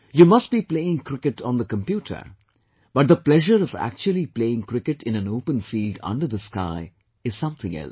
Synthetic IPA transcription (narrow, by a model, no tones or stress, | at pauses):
jumʌst̚b̥ipleɪɪ̃ŋkʰɾɪkɨʈɔ̃n̩d̪əkə̃mpjuːʈʰə̰ | b̥ʌʈ̚d̪əplɛʒəɾʌvæ̰k̚t͡ʃuəl̩ˠipleɪɪ̃ŋkɾɪkɨʈɪ̃næ̃noʊpə̃nfiːlɖʌ̰̃nɖəɾðəska̰ɪ | ɨz̥sʌ̃mθɪ̃ŋɛ̰l